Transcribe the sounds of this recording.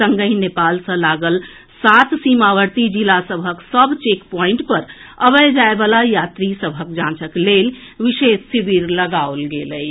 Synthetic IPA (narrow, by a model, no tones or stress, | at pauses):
səŋɡəjnepalsə̃laɡəl | sat̪simaʋəɾt̪id͡ʒilasəbʱəksəbʱt͡ʃekpɔ̃ĩɳʈpəɾəbəjd͡ʒaebalajat̪ɾisəbʱək̚d͡ʒãnt͡ʃəklel | ʋisessibiɾləɡaolɡeləj